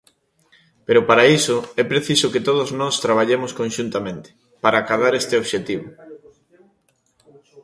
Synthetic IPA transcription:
peɾʊpaɾaisʊɛpɾeθisʊket̪oð̞oznɔst̪ɾaβ̞aʎemʊskõnʃunt̪amẽnt̪ɪ̥ | paɾaːkaðaɾɛst̪eoβʃet̪iβʊ

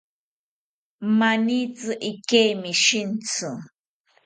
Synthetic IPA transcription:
manit͡sɨʔɪkejmɪʃɪnt͡sʊ

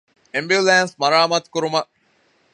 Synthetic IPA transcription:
embjiulæːnsmɐɾaːmɐt̪kuɾumɐ

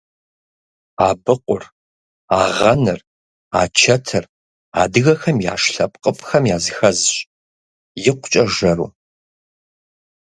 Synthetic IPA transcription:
aːbɨqʷʼʊr | aːʁɐnɨr | aːt͡ʃʰɐtʰɨr | a̰ːdɨɣɐxɐmja̰ːʂɬɐpʼqʼəpʰʼxɐmjaːzɨxɐzɕʼ | jɪqʷʊ̥t͡ʃʼɐʒɐɾṵː

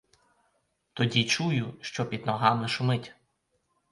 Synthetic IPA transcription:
t̪ɔdʲit͡ʃujʊʃt͡ʃɔpʲid̪nɔɦɑmɪʃʊmɪtʲ

